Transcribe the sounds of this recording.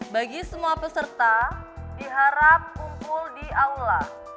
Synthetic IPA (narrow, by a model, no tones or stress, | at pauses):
baɡisəmuapəsərt̪adiɦaɾap̚kumpʊldiaula